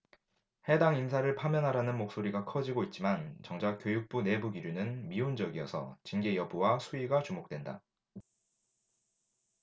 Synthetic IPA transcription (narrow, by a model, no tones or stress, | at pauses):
he̞daŋimsʰaɾɯɭpʰamjʌnɦaɾanɯnmok̚s͈oɾiɡakʰʌd͡ʑiɡoit̚t͡ɕ͈imant͡ɕʌŋd͡ʑak͈jojuk̚p͈une̞buɡiɾunɯnmiund͡ʑʌɡijʌsʰʌ̰t͡ɕinɡe̞jʌbuwasʰuiɡat͡ɕumok̚t͈we̞nda̰